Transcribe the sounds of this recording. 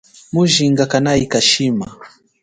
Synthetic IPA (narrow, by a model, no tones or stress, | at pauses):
muʒiŋɡakanaikaʃima